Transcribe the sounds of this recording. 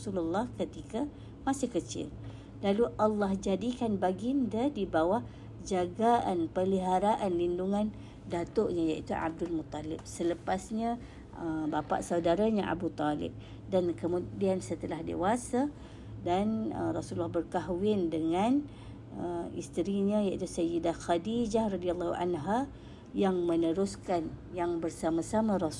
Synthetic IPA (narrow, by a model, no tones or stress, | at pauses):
sululːɑhkət̪ika | masɪhkət͡ʃɪ̰l | laluʔalːɑhd͡ʒadikanbaɡindadibawa | d͡ʒaɡaʔanpəliɦaɾaʔanlinduŋan | dat̪oʔɲajaʔit̪uʔa̰b̚dʊlmut̪ːalɪp̚sələpasɲa | əbapa̰ʔsaudaɾaɲaʔa̰but̪ɔlɪ̰p̚ | dankəmũdiansət̪əlahdḛwasa | danə̰rɔsulːahbərkaɦwɪndəŋan | əḭst̪əɾiɲajaʔit̪usəjədaxadid͡ʒahrɑdialːɑhuʔa̰nɦa | jaŋmənəɾuskanjaŋbərsamasamãɾɔs